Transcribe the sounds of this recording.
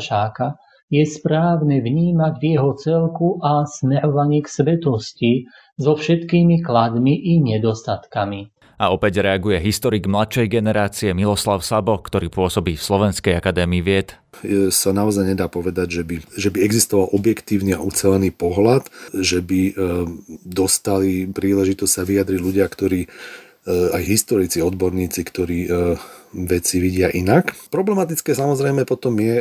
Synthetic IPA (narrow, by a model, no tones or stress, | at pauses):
ʃaːka | jɛspɾaːʊnɛvɲiːmaɟvjɛɦɔt͡sɛlkuʔasmɛɾɔʋaɲiːksʋɛt̪ɔsci | zɔfʃɛt̪kiːmiklad̪miʔiɲɛd̪ɔst̪at̪kami | aɔpɛɟɾɛaɡujɛɦist̪ɔɾiɡmlat̪ʃɛjɡɛnɛɾaːt͡siɛmilɔslaʊsabɔkt̪ɔɾiːpʊɔsɔbiːfslɔʋɛnskɛjakad̪ɛːmiːʋɪɛt̪ | sanaɔzajɲɛd̪aːpɔʋɛd̪aɟʒɛbiʒɛbiɛɡzist̪ɔʋalʔɔbjɛkt̪iːʊnia̰ʔut͡sɛlɛniːpɔɦlat̪ʒɛbi | d̪ɔst̪alipɾiːlɛʒit̪ɔssaʋiad̪ɾiɟluɟɪakt̪ɔɾiː | ajɦist̪ɔɾit͡siɔd̪bɔɾɲiːt͡sikt̪ɔɾiː | ʋɛt͡siʋiɟɪaʔinakpɾɔblɛmat̪it͡skɛsamɔzɾɛjmɛpɔt̪ɔmjɛ